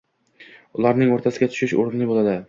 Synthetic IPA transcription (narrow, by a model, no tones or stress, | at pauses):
ʊlˠaɾnɪŋoɾt̪ʰasɪɡʲat̪ʰʊ̥ʃɪʃo̰ɾɪnlɪbolˠad̪ɪ